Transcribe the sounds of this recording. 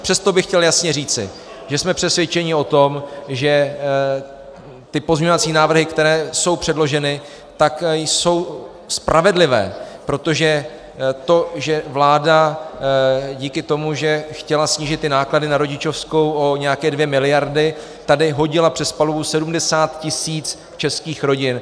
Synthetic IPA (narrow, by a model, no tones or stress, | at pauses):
pr̝̥ɛst̪o̞bɪxcɛljasɲɛriːt͡sɪ̰ | ʒɛsmɛpr̥ɛsvjɛt͡ʃɛɲɪo̞t̪o̞mʒɛ | t̪ɪpo̞zmɲɛɲovat͡siːnaːvr̩ɦɪkt̪ɛɾɛːso̞wpr̥ɛdlo̞ʒɛnɪ | t̪akjso̞w | spɾʔavɛdlɪvɛ̰ːpɾo̞t̪o̞ʒɛ | t̪o̞ʒɛvlaːda | ɟiːkɪt̪o̞muʒɛxcɛlasɲiːʒɪt̪ːɪnaːkladɪnaɾo̞ɟɪt͡ʃo̞fsko̞wʔo̞ɲɛjakɛːdvjɛmɪlɪjaɾdɪ | t̪adɪɦo̞ɟɪlapr̥ɛspaluvusɛdumdɛsaːt̪cɪsiːt͡s | t͡ʃɛskiːxɾo̞ɟɪn